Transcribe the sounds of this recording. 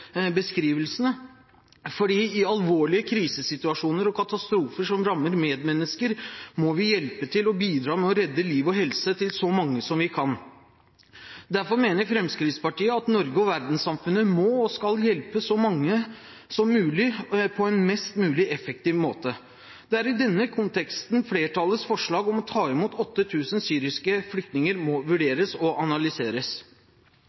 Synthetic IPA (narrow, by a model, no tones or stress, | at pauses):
bəskɾiːʋəlsənə | fɔɖiːɪɑlʋoːɭɪəkʰɾiːsəsɪt̪ʉɑʂuːnəɾɔkʰɑt̪ɑst̪ɾuːfəʂɔmɾɑmːəɾmeːd̪mɛnːəskəɾmɔʋɪjɛlpət̪ʰɪlɔbiːd̪ɾɑːmɛɔɾɛd̪ːəliːʋɔɦɛlsət̪ʰɪlsɔmɑŋːəsɔmʋɪkʰɑn | d̪æɾfɔɾmeːnəɾfɾɛmskɾɪt̪spɑʈiːəɑt̪nɔɾɡəɔʋæɾd̪n̩sɑmfʉnːəmɔskɑljɛlpəsɔmɑŋːə | sɔmːʉːlɪpʰɔɛnmɛst̪mʉːlɪʔɛfək̚t̪iːʋmoːt̪ə | d̪̥ɛæɾɪd̪ɛnːəkʰʊnt̪ɛkst̪nfleːʈʰɑlːəsfɔʂɭɑːɡɔmɔt̪ʰɑːɪmuːt̪ɔt̪ːət̪ʰʉːsənsyːɾɪskəflʏk̚t̪nɪŋəɾmɔʋʉɖeːɾəsɔʔɑnɑlʏseːɾəs